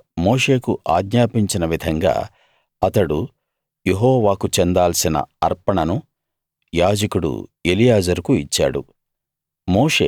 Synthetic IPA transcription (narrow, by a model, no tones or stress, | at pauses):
moːʂe̞ːkuʔaːɡɲaːpiɲt͡ʃinɐʋid̪ʱɐŋɡa̰ː | ɐt̪ɐɽu | jeɦɔːʋaːkut͡ʃend̪aːlsinɐ̰ɐɾpɐɳɐnu | jaːd͡ʒɐkuɽṵe̞lijaːd͡ʒɐɾkuit͡ʃːa̰ːɽṵ | moːʂeː